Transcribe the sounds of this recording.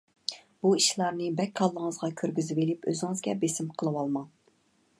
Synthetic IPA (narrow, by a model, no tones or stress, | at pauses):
b̥uiʃlˠɑɾnɨbɛkʲkʰːɑlˠːəŋəzʁɑkʲʰøɾɡʲyzɪvilɪpø̰zɪŋɨzɡʲɛbesɪmqʰəlˠɨwɑlˠmɑŋ